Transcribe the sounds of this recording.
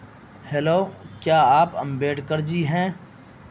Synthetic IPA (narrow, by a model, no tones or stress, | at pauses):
heloːkjaːaːpɐ̰̃mbeːʈkəɾd͡ʒiːɦɛ̃ː